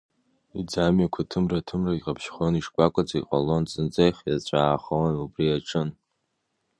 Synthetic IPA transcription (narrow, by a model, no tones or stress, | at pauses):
id͡zamɥakʷʰatʰɨmratʰɨmraɡʲqʼapʰʃχoniʂkʷʼakʷʼat͡sʼaiqʼa̰lo̞nt͡sʼɨnd͡zʼejχʲjat͡ɕʷʼaːχawanubriaʈ͡ʂʰʼɨn